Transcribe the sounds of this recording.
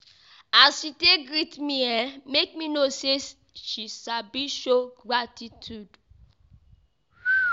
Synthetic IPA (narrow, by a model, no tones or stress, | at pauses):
asiteɡɹitmiɛmek̚minoses | ʃisabiʃoɡɹatitʰjud